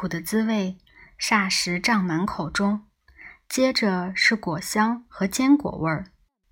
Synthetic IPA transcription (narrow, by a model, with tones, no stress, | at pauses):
u˨˩d̪ə˦t͡sɹ̩˥we˥˩ɪ | ʂa˥˩ʂɻ̩˧˥ʈ͡ʂɑ˥˩ŋma˧˥nkʰo˨˩ʊʈ͡ʂʊ˥ŋ | t͡ɕjɛ˥ʈ͡ʂə˧ʂɻ̩˥˩kwɔ˨˩ɕjɑ˥ŋxɤ˧˥t͡ɕjɛ˥nkwɔ̰˨˩wə˞˥˧˩